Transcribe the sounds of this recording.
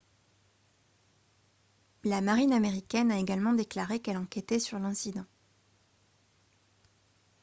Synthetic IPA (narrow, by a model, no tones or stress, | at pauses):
lamaʁinameʁikʲɛnaeɡalmɑ̃d̪eklaʁekɛlɑ̃kɛt̪ɛsyʁlɛ̃sid̪ɑ̃